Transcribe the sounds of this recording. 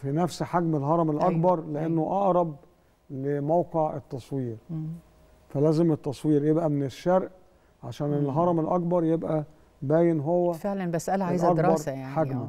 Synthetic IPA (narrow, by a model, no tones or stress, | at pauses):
finæfsħaɡmelɦɑɾˤɑmelʔɑkbɑɾˤleʔenːoʔɑʔɾˤɑb̚ | lemæwqeʕet̪ːɑsˤwiːɾ | fælæːzemet̪ːɑsˤwiːɾjebʔæmeneʃːæɾʔ | ʕa̰ʃæːnelɦɑɾˤɑmelʔɑkbɑɾˤjebʔæ | bæːjenɦowːæfeʕlænbæsʔælʕajzɑkɾbɑɾˤsjaʕħaɡnæ